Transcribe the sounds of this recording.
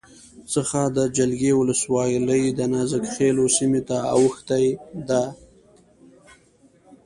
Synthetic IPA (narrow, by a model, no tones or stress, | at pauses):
t͡səxad̪əd͡ʒalɡewʊləswɑjləjd̪ənɑzəkxelosimet̪aa̰wəxt̪ajd̪a